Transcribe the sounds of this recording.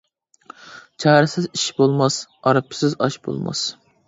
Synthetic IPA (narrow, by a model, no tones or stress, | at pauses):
t͡ʃʰɑːɾɪsɪziʃbolˠmɑsɑɾɑpʰːɪ̥sɪzɑʃbo̰lˠmɑ̰s